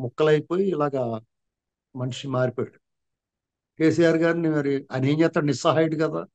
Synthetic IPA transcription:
mukːɐlɐjpoːjiːlaːɡɐ | mɐnʂimaːɾipoːjɐɽu | ke̞ːsijaːɾɡaːɾinimɐɾiɐneːɲɛt̪ːɐnisɐɦaːjiɽikɐd̪aː

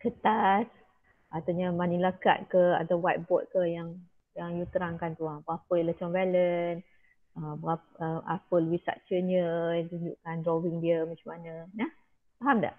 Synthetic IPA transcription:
kət̪as | ʔat̪aɲamanilaka̰t̪̚kəa̰d̪awwajt̪̚bɔt̪̚kəjaŋ | jaŋjut̪əɾaŋkant̪uaŋbəɣapəjələt͡ʃɔŋvɛlən | əmbəɣaəmʔa̰pəlwisa̰ʔ̚t͡ʃəɲəat̪uɲd͡ʒṵʔkandɾɔwiŋdiəmat͡ʃumanənah | faɦamda̰ʔ

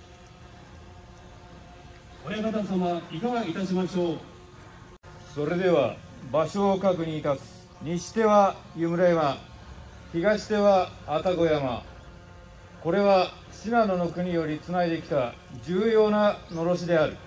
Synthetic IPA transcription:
ojaɡat̪asamaikaɡait̪aɕimaɕo̞ː | so̞ɾe̞d̪e̞β̞a | baɕo̞ːkakɯ̟ɲ̟iːt̪asɨ̥ | ɲ̟iɕi̥t̪e̞βajɯmɯ̟ɾajama | çiɡaɕi̥t̪e̞βaːt̪aɡo̞jama̰ | ko̞ɾe̞βa | ɕinad̪o̞no̞kɯ̟ɲ̟ijo̞ɾʲit͡sɨnaid̪e̞kʲi̥t̪a | d͡ʑɨːjo̞ːnano̞ɾo̞ɕid̪e̞aɾɯ̟

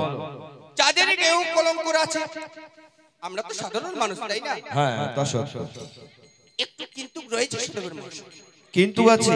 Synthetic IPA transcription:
t͡ɕad̪eɾkewkɔlomkoɾeat͡ɕʰe | amɾat̪oʃad̪ʱaɾonmanuʃt̪ajnaɦɛ̃ɦɛ̰̃t̪aʃoo̰ | ek̚ʈukint̪ukɾoet͡ɕʰeʃud̪ebeɾmanuʃ | kint̪uat͡ɕʰe

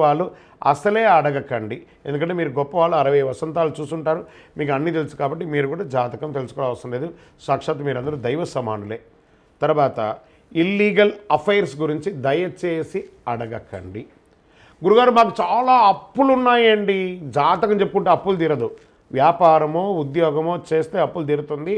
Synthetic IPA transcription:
aːɭːu | ɐ̰sɐleːɐɽɐɡɐkɐɳɖi | e̞nd̪ukɐɳʈ̬ːeːmiːɾuɡɔpːɐʋaːɭːuɐɾɐʋɐjʋɐsɐnt̪aːlut͡ʃuːsuɳʈaːɾumiːk̬uɐnːit̪̬e̞lusu̥kaːbɐʈːimiːɾukuːɽaːd͡ʒaːt̪ɐkɐmt̪e̞lusu̥kɔːlaːʋɐst̪ɐnɐleːd̪u | saːkʂaːt̪ɐmiːɾɐnd̪ɐɾud̪ɐjʋɐsɐmaːnule̞ː | t̪ɐɾuʋaːt̪ɐ̰ | ilːiːɡɐlɐpʰɐjɐɾsɡuɾiɲt͡ʃid̪ɐjɐt͡ʃe̞ːsiɐɽɐɡɐkɐ̰ɳɖi | ɡuɾuɡaːɾumaːk̬ut͡ʃaːlaːɐpːulunːaːjɐɳɖid͡ʒaːt̪ɐkɐmt͡ʃepːukuɳʈeːɐpːuld̪iːɾɐd̪u | ʋjaːpaːɾɐmoːud̪jɔːɡɐmoːt͡ʃe̞ːst̪e̞ːɐpːuld̪iːɾut̪und̪i

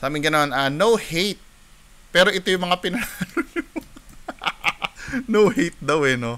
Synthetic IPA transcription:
saːbɪŋɡɪnɐmananowhejt̪̚ | pɛːɾoʔɪt̪ojʊŋmɐŋapɪnɐnanono | nowhejt̪̚d̪ɐwɛno

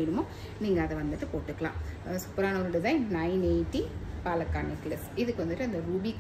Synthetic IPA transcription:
iɽɯmoː | niːŋɡɐːðɛʋɐnd̪ɯʈːɯpoːʈːɯkːɐɭã̰ːsʊ̥pːɐɾaːnɐʋɾɯɽɯzɐ̃ːnnɐɪneɪʈːipaːlɐkːaːnɐkːlɐsɪðɯkːɯʋɐnd̪ɯʈːɯɐnd̪ɐɾuːbik

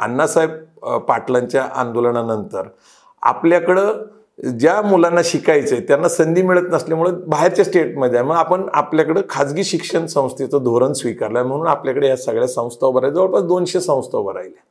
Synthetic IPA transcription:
a̰nːasajb̚paʈlaɲt͡ɕjaʔa̰nd̪oləɳ̃anənt̪əɾ | a̰pljakəɽe | d͡ʑjamulanːaɕikajt͡set̪janːasənd̪ʱiːmiɭət̪nəslemuɭəbʱaɦeɾt͡ɕasʈeʈməd̪ʱjajm̤əapəɳa̰pljakəɽekʰad͡zɡiːɕikʂənsə̃w̃st̪ʰet͡səd̪ʱoɾənsʋikaɾlam̤əɽ̃uːnapljakəɽejasəɡɭjasə̃w̃st̪ʰawbəɾajd͡zəʋəɾpad̪onɕesə̃w̃st̪ʰawbəɾa̰jle

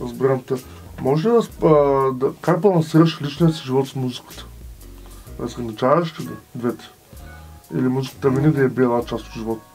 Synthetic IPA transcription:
ɾɐzbiɾamt̪ɛ | mɔʒɛʃʲid̪ɐsd̪ɐkak̚bɐlˠɐnsiɾəʃlit͡ʃnijəsiʒivɔt̪smuzikə̥t̪ə̥ | ɐzɡənit͡ʃavɐʃk̪ʲid̪d̪vɛt̪ɛ̥ | ḭlimuzikə̥t̪əmɛnid̪ɐɛbiɛlˠat͡ʃast̪t̪ʒivɔt̪

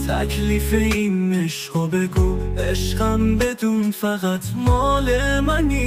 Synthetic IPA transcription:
t̪ʰæ̰kʰliːfeinːeʃɔbeɡueʃɢæmbed̪unfæɣæt̪ʰmɔlemæni

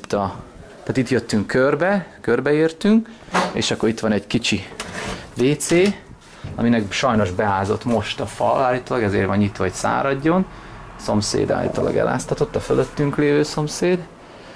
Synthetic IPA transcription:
t̪ɒt̪aːt̪it̪jøt̪ːyŋkːørbɛkørbɛeːrt̪yŋkḛːʃɒkːoɾit̪ʋɒnɛɟkit͡ʃi | veːt̪seː | ɒ̰minɛkʃɒjno̞ʒbɛɦaːzo̞t̪mo̞ʃt̪ɒfɒlaːlːit̪oːlɒɡɛzḛːrʋɒnɲit̪ʋɒɦocsa̰ːɾɒɟːo̞n | so̞msḛːd̪a̰ːlḭt̪o̰ːlʔɒ̰ɡɛ̰la̰ːst̪ɒt̪o̞t̪ːɒføløt̪ːyŋkleːvøːso̞mseːd̪

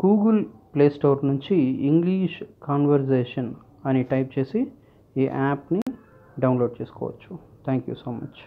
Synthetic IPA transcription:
ɡ̥uːɡəlpleːsʈoːɾnuɲt͡ʃiiŋɡliːʂkaːnʋɐɾd͡ʒeːʂɐn | ɐniʈɐjp̚t͡ʃeːsi | iːʔaːpni | ɖɐwnloːɖ̚t͡ʃeːsu̥kɔ̰ːʋɐ̰t͡ʃːu̥t̪ʰɛːŋkjṵːsoːmɐt͡ʃ

